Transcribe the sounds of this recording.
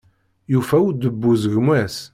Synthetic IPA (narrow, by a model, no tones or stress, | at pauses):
jufæwud̪əbːuzʝmæs